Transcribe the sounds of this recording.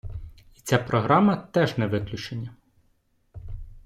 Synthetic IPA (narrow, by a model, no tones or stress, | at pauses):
i̥t͡sʲapɾɔɦɾɑmɐt̪ɛʒnɛʋɪklʲʊt͡ʃenʲːɐ